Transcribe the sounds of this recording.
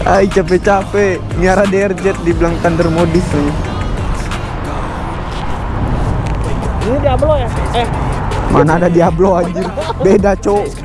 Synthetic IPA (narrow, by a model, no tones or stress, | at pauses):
ait͡ʃapɛt͡ʃapɛ | miaɾadɛɛrd͡ʒɛt̪̚diblaŋt̪andərmodɪsmaɲa | inidiablojaɛmanaːdadiabload͡ʒirbedat͡ʃo